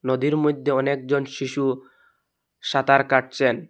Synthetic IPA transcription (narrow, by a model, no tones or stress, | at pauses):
nod̪iɾmod̪ʱːeɔnek̚d͡ʑonʃiʃu | ʃat̪aɾkaʈ̚t͡ɕʰen